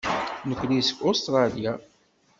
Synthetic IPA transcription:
nəkʷːlisə̥kost̪ɾˤɑlija

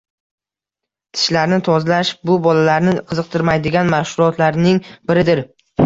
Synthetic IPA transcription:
t̪ʰɪ̥ʃlaɾnɪt̪ʰɒzlaʃbʊbɒlalaɾnɪqʰɨzɨq̚t̪ʰɪɾmajd̪ɪɡʲanmaʃhʊɾɒt̪ʰlaɾnɪŋbɪɾɪd̪ɪɾ

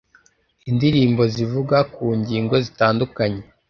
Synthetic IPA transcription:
indiɾiːmbo̞zivuɡakuːɲɟiːŋɡo̞zitaːndukaɲe

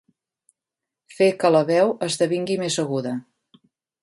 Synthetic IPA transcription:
fekələβɛwəzðəβiŋɡimezəɣuðə

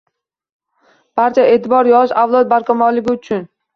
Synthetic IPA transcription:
b̥aɾt͡ʃʰaʔe̞ːt̪ʰɪbɒɾjɒʃavlˠɒt̪̚baɾkʰamɒlɪɡʲɪʊt͡ʃʰʊn

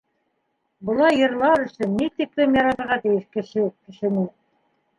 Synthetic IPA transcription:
bɤ̆lˠɑjːɤ̆ɾlˠɑɾɵ̆sɵnːit̪iklɘmjɑɾɑt̪ɤ̆ɾʁɑt̪ɘ̆jɘʃkɘ̆ʃɘkɘ̆ʃɘ̆nɘ

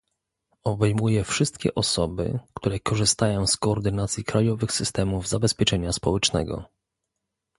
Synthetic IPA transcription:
ɔbɛjmujɛfʂɘst̪kʲɛ̰ʔɔsɔbɘ̰kt̪uɾɛkɔʐɘst̪ajɔ̃w̃skɔːɾd̪ɘnat̪sʲjikɾajɔvɘxsɘst̪ɛmuvzabɛspʲjɛt͡ʂɛɲaspɔwɛt͡ʂnɛ̰ɡɔ̰

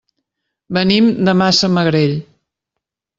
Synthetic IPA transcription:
bənimd̪əmasəməɣɾeʎ

